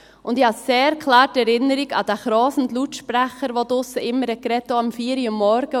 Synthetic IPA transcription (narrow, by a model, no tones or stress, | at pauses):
ʊndihɑseːɾkʰlɑːɾtɛɾɪnːəɾiɡɑ̰d̥̪æχɾɔːsndlutʃpɾæχəɾʋod̪ʊsːəʔɪmːəɾɛkɾɛt̪ːoɑmfiːɾiʊmːɔɾɡ̥ə